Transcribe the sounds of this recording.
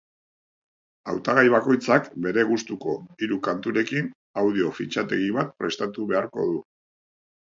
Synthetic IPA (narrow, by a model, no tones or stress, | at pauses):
awt̪aɣ̞ajβako̞jt͡sakbe̞ɾe̞ɣ̞ust̪uko̞iɾukant̪uɾe̞kin | awðio̞fit͡ʃat̪e̞ɣiβat̪̚pɾe̞st̪at̪uβe̞aɾko̞̰ðu